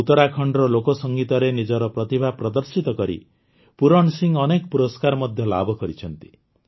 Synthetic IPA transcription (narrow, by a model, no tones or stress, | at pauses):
ut̪ɔɾakʰɔɳɖɔɾɔlokɔsɔŋɡit̪ɔɾenid͡ʒɔɾɔpɾɔt̪ibʱapɾɔd̪ɔɾsit̪ɔkɔɾḭ | puɾɔɳsiŋɔnekɔpuɾɔskaɾmɔd̪ʱjɔla̰bɔkɔɾit͡ʃʰɔnt̪i̥